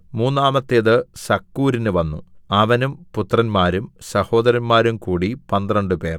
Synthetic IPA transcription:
muːnːaːmɐt̪ːeðɨsɐkːuːɾinɨʋɐnːṵɐʋɐnumput̪ːrɐnmaːɾumsɐho̞ːd̪ɐɾɐnmaːɾumkuːɽipɐnd̪rɐɳɖɨpe̞̰ːr

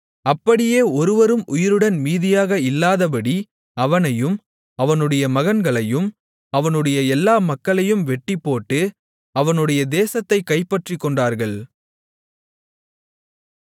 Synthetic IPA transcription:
ɐpːɐɽɪjeːɔɾɯʋɐɾɯmʔʊjɪɾɯɽɐnmiːðɪjaːɣɐɪlːaːðɐpɐɽi | ɐʋɐnɐjɯm | ɐʋɐnɯɽɐjɐmɐɣɐnɡɐɭɐjɯm | ɐʋɐnɯɽɐjɐɛlːaːmɐkːɐɭɐjɯmʋɛʈːɪpːoːʈːɯ | ɐʋɐnɯɽɐjɐd̪eːsɐt̪ːɐɪkːɐɪpːɐʈrɪkːɔɳɖaːɾɣɐɭ

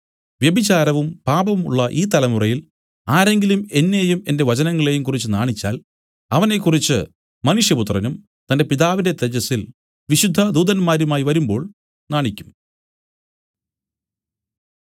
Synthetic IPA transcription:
ʋjebit͡ɕaːɾɐʋumpaːbɐʋmuɭːɐʔiːt̪ɐlɐmurɐjil | aːɾe̞ŋɡilume̞nːe̞jume̞nde̞ʋɐt͡ɕɐnɐŋːɐɭe̞jumkurit͡ɕːɨnaːɳit͡ɕːa̰ːl | ɐʋɐne̞kːurit͡ɕːɨ | mɐnuʂjɐput̪̬rɐnum | t̪ɐnde̞piðaːʋinde̞t̪ed͡ʑɐsil | ʋiɕud̪ʱːɐd̪uːðɐnmaːɾumaːjiʋɐɾumbo̞ːɭ | naːɳikʲːum

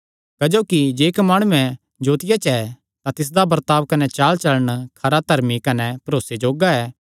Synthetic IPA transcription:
kɐd͡ʒoːkid͡ʒeːkmaːɽ̃uɛ̃ | d͡ʒoːt̪ɪjat͡ʃɛ | t̪ãt̪ɪs̬d̪abɐɾt̪aːʋkɐnɛt͡ʃaːlt͡ʃɐləɽ̃kʰɐɾat̪ɐɾmikɐnɛpɐɾoːsed͡ʒoːɡaɛː

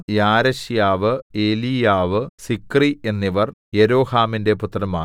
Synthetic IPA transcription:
jaːɾɐɕjaːʋɨe̞ːlijaːʋɨsikrie̞nːiʋɐrjeɾo̞ːhaːminde̞put̪ːrɐmaː

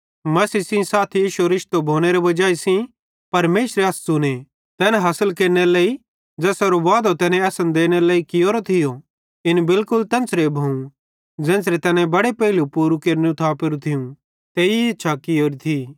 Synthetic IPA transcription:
mɐsiːsĩsaːt̪ʰijiːʃoɾɪʃt̪obʱoːñeɾeʋɐd͡ʒaːisĩ | pɐɾmeːʃɾeɐssʊne | t̪ɛːnãɦɐsəlkeːɾneɾleːi | d͡ʒɛːsɐɾoʋaːd̪ot̪ɛːnẽɐsə̃nd̪eːñeleːikɪjoːɾot̪ʰɪjo | ɪnbɪlkʊlt̪ɐ̃ːnsɾebʱoːũ | d͡ʒɛ̃ːnsɾet̪ɛːnɛ̃bɐɽepɛːɦɪlupuːɾukeːɾnũt̪ʰapeɾũt̪ʰɪjũ | t̪eːiɐtːʃʰakɪoːɾit̪ʰiː

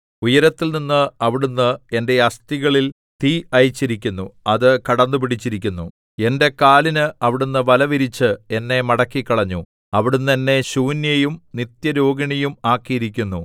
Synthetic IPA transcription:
ujɐɾɐt̪ːilninːɨɐʋiɽunːɨe̞nde̞ɐst̪iɣɐɭil | t̪iɐjit͡ɕːiɾikʲːunːuɐðɨkɐɽɐnːup̬iɽit͡ɕːiɾikʲːunːu | e̞nde̞kaːlinɨɐʋiɽunːɨʋɐlɐʋiɾit͡ɕːɨe̞nːe̞mɐɽɐkːikːɐɭɐɲːu | ɐʋiɽunːenːe̞ɕuːnjɐjumnit̪jɐɾoːɡiɳɐjumaːkːijiɾikʲːunːu

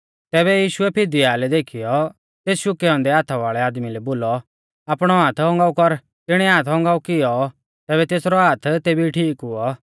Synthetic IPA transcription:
t̪ɛːβɛjiːʃʊɛpʰɪd̪iaːlɛd̪eːkʰɪjɔ | t̪eːsʃʊkɛɔ̃ːnd̪ɛaːt̪ʰaʋaːɭɛaːd̪milɛboːlɔ | aːpɽ̃ɔɦaːt̪ʰɔ̃ŋɡaːukɔɾ | t̪ɪɽ̃ɛɦaːt̪ʰɔ̃ŋɡaːukɪjɔ | t̪ɛːbɛt̪eːsɾɔɦaːt̪ʰt̪eːbiʈʰiːkʊɔ

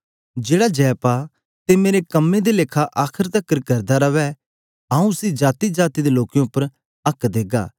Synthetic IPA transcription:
d͡ʒeːɽad͡ʒɛːpa | t̪emeːɾekɐmːed̪elekʰaʔaːkʰəɾt̪ɐkːəɾkɐɾd̪aɾɐʋɛ | aːũsid͡ʒaːt̪id͡ʒaːt̪id̪eloːkejõʊpːəɾ | ɐkd̪eːɡa̰ː

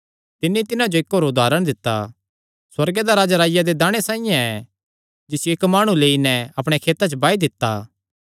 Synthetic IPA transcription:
t̪ɪnːit̪ɪnãd͡ʒoɪkɦoːɾʊd̪ʱaːɾəɽ̃d̪ɪt̪ːa̰ | swɐɾɡed̪aɾaːd͡ʒaɾaːjad̪ed̪aːɽ̃esaːĩjãɛ | d͡ʒɪsjoeːkmaːɽ̃ũleːinɛɐpɽ̃ekʰeːt̪at͡ʃəbaːid̪ɪt̪ːa̰ː

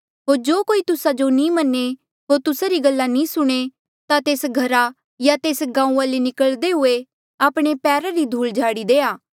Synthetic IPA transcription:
ɦoːɾd͡ʒoːkoːit̪ʊsad͡ʒonĩːmɐnːe | ɦoːɾt̪ʊsaɾiɡəlːanĩːsʊɽ̃e | t̪at̪eːsɡʱɐɾa | jat̪eːsɡãːũãlenɪkəɭd̪eɦʊe | aːpɽ̃epɛːɾaɾid̪ʱuːld͡ʒʱaːɽid̪eːaː

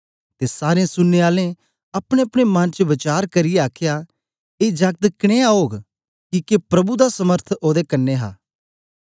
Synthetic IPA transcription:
t̪esaːɾẽsʊnːeaːlẽ | ɐpɽ̃eɐpɽ̃emɐnt͡ʃəʋɐt͡ʃaːɾkɐɾɪjeaːkʰja | eːd͡ʒɐɡ̚t̪kɽ̃eaoːɡ | kikepɾɐbud̪asɐməɾt̪ʰoːd̪ekɐnːeɦa̰ː

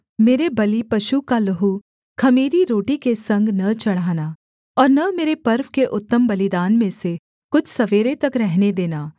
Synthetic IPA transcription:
meːɾebɐlipɐʃukalɐɦu | kʰɐmiːɾiɾoːʈikesɐ̃ŋɡnɐt͡ʃɐɽ̤aːna | ɔːɾnɐmeːɾepɐɾʋkeʔʊt̪ːəmbɐlɪd̪aːnmẽse | kʊt͡ʃʰsɐʋeːɾet̪ɐkɾɛɦned̪eːnaː

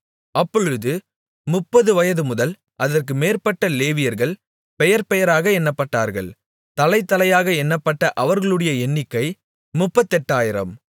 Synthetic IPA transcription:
ʔɐpːɔɻɯðɯ | mʊpːɐðɯʋɐjɐðɯmʊðɐl | ʔɐðɐrk̬ɯmeːrpɐʈːɐleːʋɪjɐɾɣɐɭ | pɛjɐɾpɛjɐɾaːɣɐɛnːɐpːɐʈːa̰ːɾɣɐ̰ɭ | t̪ɐlɐɪt̪ːɐlɐjaːɣɐɛnːɐpːɐʈːɐʔɐʋɐɾɣɐɭɯɽɐjɐɛɳːɪkːɐɪ | mʊpːɐt̪ːɛʈːaːjɪɾɐ̰m

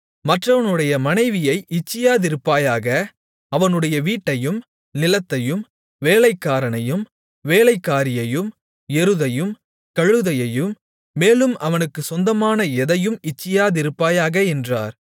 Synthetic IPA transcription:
mɐʈrɐʋɐnɯɽɐjɐmɐnɐɪʋɪjɐɪʔɪt͡ʃːɪjaːðɪɾɯpːaːjaːɣɐ | ɐʋɐnɯɽɐjɐʋiːʈːɐjɯm | nɪlɐt̪ːɐjɯm | ʋeːlɐɪkːaːɾɐnɐjɯm | ʋeːlɐɪkːaːɾɪjɐjɯm | ɛɾɯðɐjɯm | kɐɻɯðɐjɐjɯmː | eːlɯmʔɐʋɐnɯkːɯsɔnd̪ɐmaːnɐɛðɐjɯmɪt͡ʃːɪjaːðɪɾɯpːaːjaːɣɐɛndra̰ːɾ

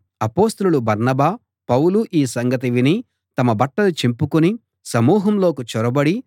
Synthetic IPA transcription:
ɐpo̞ːst̪ɐluɭubɐɾnɐbaː | pɐwluʔiːsɐŋɡɐt̪̬iʋini | t̪ɐmɐbɐʈːɐlut͡ʃimpukuni | sɐmuːɦɐmlo̞ːkut͡ʃɔɾɐbɐɽi

